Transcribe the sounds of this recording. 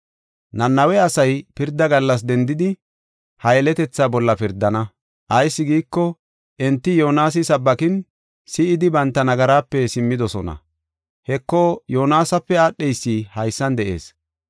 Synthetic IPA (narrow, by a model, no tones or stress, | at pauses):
nɐnːɐwɛɐsɐjpɪɾd̪ːɐɡɐlːɐs̬d̪ɛnd̪ɪd̪ɪ | hɐjɛlɛt̪ɛt͡sːaːbɔlːɐpɪɾd̪ɐnɐ | ʔɐjsːɪɡiːkːɔ | ʔɛnt̪ːɪjo̞ːnaːs̬ɪsɐbːɐkɪn | sɪɪd̪ɪbɐnt̪ːɐnɐɡɐɾaːpːɛsɪmːɪd̪ɔsɔ̰nɐ̰ | hɛkːɔjo̞ːnaːsɐpːɛaːɗːɛjsːiːhɐjsːɐnd̪ɛʔe̞̰ːs